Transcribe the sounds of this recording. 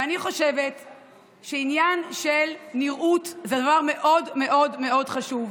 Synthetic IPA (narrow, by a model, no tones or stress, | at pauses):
aniχo̞ʃevet | ʃeinjanʃelniʁʔutzed̪avaʁme̞ʔo̞dme̞ʔo̞dmeo̞dχaʃuv